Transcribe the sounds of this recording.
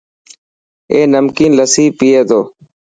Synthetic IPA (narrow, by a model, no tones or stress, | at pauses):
eːnəmkiːnləsiːpiːeːd̪oː